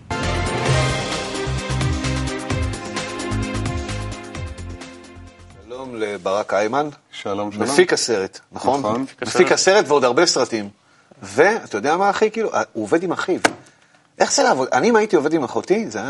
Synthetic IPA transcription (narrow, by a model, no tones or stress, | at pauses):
ʃʃalo̞mlebaʁakajmanʃalommefikase̞ʁet̪naχo̞nnnmefikaseʁet̪veo̞d̪aʁbe̞sʁatim | ve̞at̪ajo̞d̪eamaːχikiːluʔauove̞d̪imaχiv | ʔe̞χt͡selaːvo̞d̪aniːmaitio̞ve̞dimaχotizea